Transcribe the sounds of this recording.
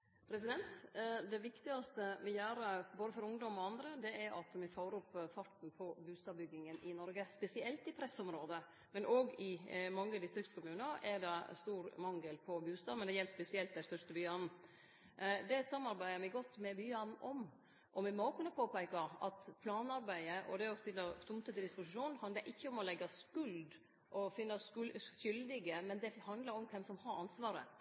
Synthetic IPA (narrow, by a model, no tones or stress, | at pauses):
pʰɾɛsɪd̪ɛnt̪d̪ɛʋɪkt̪ɪɡɑst̪əmɛjøːɾəboːd̪əfɔɾʊŋd̪ɔmɔɑnd̪ɾəd̪ɛɛɾʔɑ̰t̪mɛfoːɾʊpfɑʈ̪n̩pʰɔbʉːst̪ɑːbʏɡːɪŋənʔɪnɔɾɡəspɛsɪɛlt̪ɪpʰɾɛsɔmɾoːd̪ə | mɛnʔoɡɪmɑŋːəd̪ɪst̪ɾɪkt̪skʊmʉːnəɾɛɖɑst̪uːɾmɑŋːəlpʰɔbʉːst̪ɑːmɛnd̪ɛjɛlːspɛsɪɛlt̪d̪æɪst̪œʂt̪əbyːɑnn̩ | d̪ɛsɑmːɑɾbæɪəmɛɡɔt̪ːmɛbyːɑnn̩ʔɔm | ʔɔmɛmɔkʉnəpʰoːpæɪkɑɾɑ̰t̪pʰlɑːnɑɾbæɪəʔɔ̰d̪ɛɔst̪ɪlːəɾt̪ʰʊmt̪ət̪ɪld̪ɪspʊsɪʂuːnhɑnd̪ləɾʔɪçːəɔmɔlɛɡːɑskʉld̪ | ʔɔfɪnːɑʃʏld̪ɪɡəmɛnd̪ɛhɑnd̪lɑɾɔmkʰɛmsɔmhɑɾɑnsʋɑːɾə̰